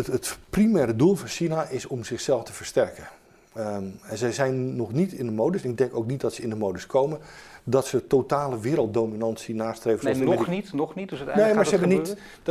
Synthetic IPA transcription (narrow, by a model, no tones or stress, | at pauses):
ətprimɛːɾədulˠfɔnsinaʔɪsɔmzɪxsɛlˠftəvərstɛrkə | ɛnzəjzɛjnːɔxnitɪndəmoːdəsɛnɪɡ̚dɛŋkowk̚nit̚dɔtsəɪndəmowdəskʰowmədɔtsətotaːləʋɪːɾəlˠt̚dowminɑnsinaːstrejvəɔnitnɔxnitdəsətnejmmaɹəɛbənit